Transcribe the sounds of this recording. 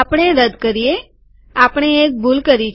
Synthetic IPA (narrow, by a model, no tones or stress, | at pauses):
apəɽ̃eɾəd̪kəɾie | apɽ̃eːk̚bʱulkəɾit͡ʃ